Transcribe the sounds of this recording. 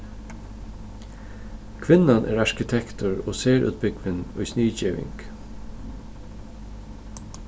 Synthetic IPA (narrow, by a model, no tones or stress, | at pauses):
kʰʋɪnanʔæ̰ːɾɑɹkɪt̪ʰɛkt̪ʊɹo̰ːseːɹʔʉ̰ːt̪̚bɪkʋɪnʊʏsniːt͡ʃiːʋɪ̰ŋk